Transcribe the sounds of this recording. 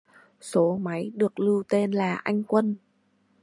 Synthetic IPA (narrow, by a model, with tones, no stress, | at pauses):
so˨˦ma˨˦jɗɨ˨˩ək̚lɨ˧wt̪e˧nlaː˨˩ʔa˧jŋ̟kwə˧n